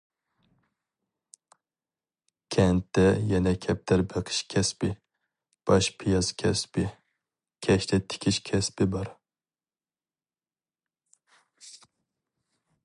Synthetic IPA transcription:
kʲʰɛnt̪ːɛjɛnɛkʲʰɛp̚t̪ʰæɾbəqʰɨ̥ʃkʲʰɛspɪ | b̥ɑʃpʰijɑzkʲʰɛspɪ | kʲʰɛʃt̪ʰɛt̪ʰɪ̥kʲʰiʃkʲʰɛspɪbɑɾ

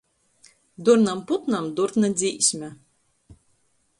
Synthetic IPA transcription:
d̪uɾnamput̪namd̪uɾt̪nad̪zʲiːsʲmʲɛ

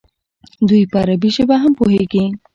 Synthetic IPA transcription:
d̪ujpəaɾabiʃebaɦampoɦeɡi

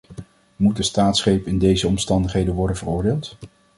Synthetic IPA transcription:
mut̚dəstaːtsχejpɪndejzəɔmstɑndəχɦejdənʋɔɹdənvərʊːɹdeːlˠt

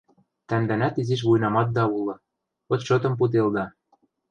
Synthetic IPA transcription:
t̪æmd̪ænæt̪iziʃ̬βujnɑmɑt̪̚d̪ɑulɤ̆ | ŏt̪ʃɤ̆t̪ɤ̆mp̬ut̪̬eld̪ɑ

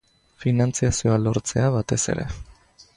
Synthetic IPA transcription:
finant͡siasioalo̞ɾt͡se̞aβat̪e̞se̞̰ɾe̞̰

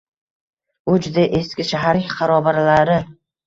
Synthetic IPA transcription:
ʊd͡ʒʊd̪aʔeskʲɪʃaɦaɾʲqɑɾɒbaɾlaɾɪ

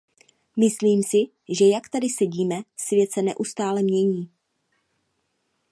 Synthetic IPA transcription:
mɪsliːmsɪ | ʒɛjakt̪adɪsɛɟiːmɛsvjɛt̪sɛnɛʔust̪aːlɛmɲɛɲiː

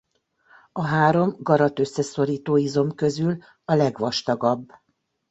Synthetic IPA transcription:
ɒɦaːɾo̞mɡɒɾɒt̪ø̞sːɛso̞ɾiːt̪oːizo̞mkø̞zyl | ɒlɛɡʋɒʃt̪ɒɡɒbː

